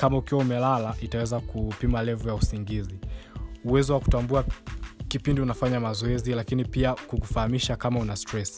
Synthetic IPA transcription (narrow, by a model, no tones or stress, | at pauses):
kamaukiwaumɛlalaʔitawɛzakupimalɛvujausiŋɡiziuwɛzɔwaku̥tambuakipindiunafaɲamazɔɛzilakinipiakukufahamiʃakamaunastɾɛs